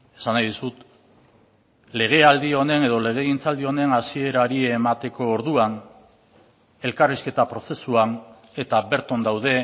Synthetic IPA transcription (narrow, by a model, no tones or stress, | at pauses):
e̞̥sanajðusut̪ | le̞ɣ̞e̞ald̪io̞ne̞ne̞ð̞o̞le̞ɣ̞e̞ɣint͡sald̪io̞ne̞nasie̞ɾaɾiemat̪e̞ko̞ːɾðuan | e̞lkariske̞t̪apɾo̞se̞suan | e̞t̪aβe̞ɾt̪ond̪awðe̞